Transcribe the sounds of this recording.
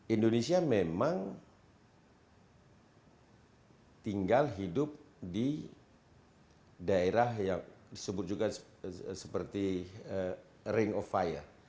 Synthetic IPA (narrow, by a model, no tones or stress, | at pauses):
indonesiamemaŋ | t̪iŋɡalɦidʊp̚ | di | daeɾaɦjaŋdisəbʊt̪̚d͡ʒuɡa | sə̥pərt̪iə | ɾɪŋɔfajə̰r